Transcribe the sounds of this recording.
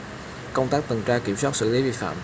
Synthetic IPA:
kə˧wŋ͡mt̪aː˦˥k̚t̪ɨ˨˩ŋt͡ɕaː˧ki˧˩əmswaː˦˥t̚sɨ̰˧˨li˨˦vḭ˧˨fa̰ː˧˨m

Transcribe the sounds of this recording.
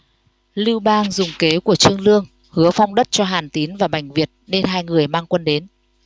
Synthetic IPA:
lɨ˧wɓaː˧ŋzʊ˨˩ŋ͡mke˨˦ku˧˩ət͡ɕɨ˧əŋlɨ˧əŋ | hɨ˨˦əfa˧wŋ͡mɗə˦˥t̚t͡ɕɔ˧ɦaː˨˩nt̪i˨˦nvaː˨˩ɓa˨˩jŋ̟vi˨˩ət̚ne˧nɦaː˧jŋɨ˨˩əjmaː˧ŋkwə˧nɗe˨˦n

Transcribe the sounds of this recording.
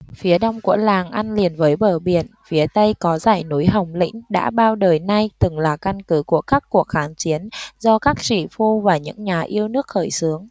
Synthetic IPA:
fi˨˦əɗa˧wŋ͡mkṵ˧˥əlaː˨˩ŋʔa˧nli˨˩ənvəː˨˦jɓəː˧˩ɓi˧˩ənfi˨˦ət̪ə˧jkɔ˨˦zaː˧˩jnu˨˦jɦə˨˩wŋ͡mlḭ̈˧˥ŋ̟ɗa̰ː˧˥ɓaː˧wɗəː˨˩jna˧jt̪ɨ˨˩ŋlaː˨˩ka˧nkɨ˨˦ku˧˩əkaː˦˥kːu˨˩ək̚xaː˨˦nt͡ɕi˨˦ənzɔ˧kaː˦˥k̚t͡ɕḭ˧˩fu˧vaː˨˩ɲɨ̰˧˥ŋɲaː˨˩ʔi˧əwnɨ˦˥ək̚xəː˧˩jsɨ˨˦əŋ

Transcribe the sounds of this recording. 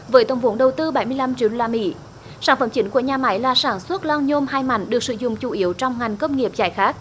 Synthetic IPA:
vəː˨˦jt̪ə˧˩wŋ͡mvo˨˦nɗə˨˩wt̪ɨ˧ɓa˨˧˩jmɨ˧əjla˧mt͡ɕi˧˩əɗo˧laː˧mḭ˧˥ | saː˧˩nfə˧˩˦mt͡ɕï˨˦ŋ̟ku˧˩əɲaː˨ma˨˦jlaː˨˩saː˧˩nswə˦˥t̚laː˧wɲo˧mɦaː˧jma̰˧˩jŋ̟ɗɨ˨˩ək̚sɨ̰˧˦zʊ̰˧˨ŋ͡mt͡ɕu˧˩ʔi˨˦əwt͡ɕɔ˧wŋ͡mŋa˨˩jŋ̟kə˧wŋ͡mŋi˨˩əp̚zaː˧˩jxaː˦˥k̚

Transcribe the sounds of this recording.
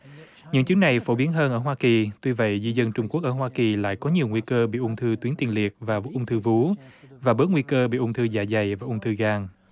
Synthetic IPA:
ɲɨ̰˧˥ŋt͡ɕɨ˨˦əŋna˨˩jfo˧˩ɓi˨˦ənɦəː˧nʔəː˧˩ɦwaː˧ki˨˩t̪wi˧və̰˧˨jzi˧zə˧nt͡ɕʊ˧ŋ͡mku˦˥ək̚ʔəː˧˩ɦwaː˧ki˨˩la̰ː˧˨jkɔ˨˦ɲi˨˩wŋwi˧kəː˧ɓḭ˧˨ʔʊ˧ŋ͡mt̪ʰɨ˧t̪wi˨˦ənt̪i˨˩ənli˨˩ət̚vaː˨˩ʔʊ˧ŋ͡mt̪ʰɨ˧vu˨˦vaː˨˩ɓəː˨˦˥t̚ŋwi˧kəː˧ɓḭ˧˨ʔʊ˧ŋ͡mt̪ʰɨ˧zaː˧˩jza˨˩jvaː˨˩ʔʊ˧ŋ͡mt̪ʰɨ˧ɣaː˧ŋ

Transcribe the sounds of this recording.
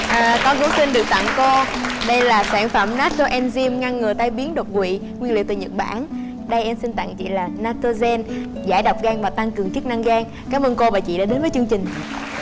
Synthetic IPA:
ʔəː˨˩kɔ˧˨˦nku˨˧˦ŋ͡msi˧nɗɨ˨˩ək̚t̪a̰˧˨ŋko˧ɗə˧jlaː˨˩saː˧˩ŋfə˧˩mnaː˦˥t̚t̪o˧ʔɛ˧nzi˧mŋa˧ŋːɨ˨˩əjt̪aː˧jɓi˨˦ənɗo˨˩t̚kwḭ˧˨ | ŋwi˧ənlḭ˧˨wt̪ɨ˨˩ɲə˨˩t̚ɓa̰ː˧˨˩n | ɗə˧jʔɛ˧msi˧nt̪a̰˧˨ŋt͡ɕḭ˧˨laː˨˩naː˦˥t̚t̪o˧zɛ˧n | zaː˧˩jɗwk͡p̚ɣaː˧ŋvaː˨˩t̪a˧ŋkɨ˨˩əŋt͡ɕɨ˦˥k̚na˧ŋɣaː˧ŋ | kaː˨˦mʔəː˧nko˧vaː˨˩t͡ɕḭ˧˨ɗa̰ː˧˥ɗe˨˦nvə˨˦t͡ɕɨ˧əŋt͡ɕï˨˩ŋ̟

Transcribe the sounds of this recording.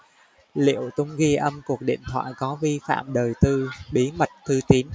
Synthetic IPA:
lḭ˧˨əwt̪ʊ˧ŋ͡mɣi˧ʔə˧mku˨˩ək̚ɗḭ˧˨nt̪ʰwa̰ː˧˨jkɔ˨˦vi˧fa̰ː˧˨mɗəː˨˩jt̪ɨ˧ɓi˨˦mə˨˩t̚t̪ʰɨ˧t̪i˨˦n

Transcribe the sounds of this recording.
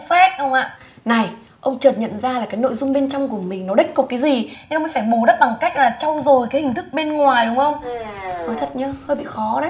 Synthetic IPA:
fɛ˦˥t̚ʔə˧wŋ͡mʔa̰ː˧˨ | na˨˩j | ʔə˧wŋ͡mt͡ɕəː˨˩t̚ɲə̰˧˨nzaː˧laː˨˩kaː˨˦jno̰˧˨jzʊ˧ŋ͡mɓe˧nt͡ɕɔ˧wŋ͡mku˧˩əmï˨˩ŋ̟nɔ˨˦ɗï˦˥k̟̚kɔ˨˩kaː˨˦jzi˨˩ɲɛ˧nə˧wŋ͡mə˨˦faː˧˩jɓo˧˩ɗə˦˥t̚ɓa˨˩ŋka˦˥jk̟̚laː˨˩t͡ɕɔ˧wzo˨˩jkaː˨˦hï˨˩ŋ̟t̪ʰɨ˦˥k̚ɓe˧nŋwaː˨˩jɗʊ˨˦ŋ͡mʔə˧wŋ͡mnɔ˨˦jt̪ʰə˨˩t̚ɲɨ˧həː˧jɓḭ˧˨xɔ˨˦ɗə˨˦

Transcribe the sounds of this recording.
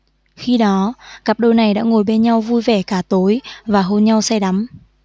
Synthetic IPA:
xi˧ɗɔ˨˦kaː˨˩p̚ɗo˧jna˨˩jɗa̰ː˧˥ŋo˨˩jɓe˧nɲa˧wvu˧jvɛ˧˩kaː˧˩t̪o˨˦jvaː˨˩ɦo˧nɲa˧wsɛ˧ɗa˨˦m

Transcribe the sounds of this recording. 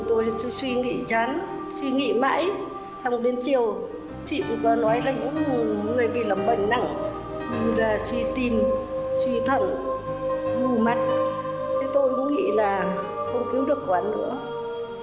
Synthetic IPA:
t̪o˧jswi˧ŋḭ˧˨t͡ɕaː˨˦n | swi˧ŋḭ˧˨ma̰ː˧˥j | sʰa˧wŋ͡mɗe˨˦nt͡ɕi˨˩əw | t͡ɕḭ˧˨˧kɔ˨˦nɔ˨˦jlaː˨˩ɲɨ̰˧˥ŋŋɨ˨˩əjɓḭ˧˨lə˨˩mɓə˧˩ŋ̟na̰˧˩ŋ | ɲu˧˩laː˨˩swi˧t̪i˧˩mswi˧t̪ʰwə̰˧˨n | ɗu˧˩ma˨˩t̚ | t̪ʰi˨˦t̪o˧jkʊ̰˧˥ŋ͡mŋḭ˧˥laː˨˩ | xə˧wŋ͡mki˨˦wɗɨ˨˩ək̚kwaː˨˦nːɨ̰˧˥ə

